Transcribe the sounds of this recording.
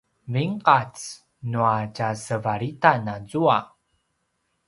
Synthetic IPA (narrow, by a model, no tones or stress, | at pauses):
viŋqat͡s | nuacasəvaɾitanazua